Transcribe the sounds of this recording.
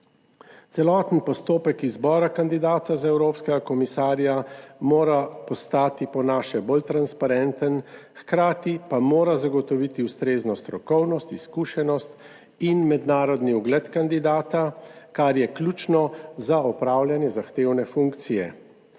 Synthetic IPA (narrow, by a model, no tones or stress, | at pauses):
t̪sɛlɔːt̪nipɔst̪oːpɛkizbɔːɾakand̪id̪aːt̪azaɛwɾoːpskɛɡakɔmisaːɾjamoːɾapɔst̪aːt̪ipɔnaːʃɛbolt̪ɾanspaɾɛnt̪ənxkɾaːt̪ipamoːɾazaɡɔt̪ɔʋit̪iust̪ɾeːznɔst̪ɾɔkɔwnɔst̪iskuːʃɛnɔst̪ | inmɛd̪naːɾɔd̪niuɡlɛt̪kand̪id̪aːt̪akaɾjɛklʲuːt͡ʃnɔzaɔpɾaːwljanjɛzaxt̪eːwnɛfuŋkt̪sijɛ